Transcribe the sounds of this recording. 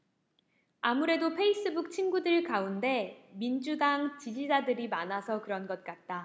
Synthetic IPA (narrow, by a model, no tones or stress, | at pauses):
amuɾe̞dopʰe̞is͈ɯbuk̚t͡ɕʰinɡudɯɭkaunde̞mind͡ʑudaŋt͡ɕid͡ʑid͡ʑadɯɾimanasʰʌkɯɾʌnɡʌt̚k͈at̚t͈a